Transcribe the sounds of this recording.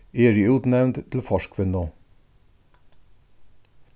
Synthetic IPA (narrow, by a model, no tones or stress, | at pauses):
eːɹɪuːt̪nɛʋnt̪t̪ʰl̩fɔʃkʰʋɪnoː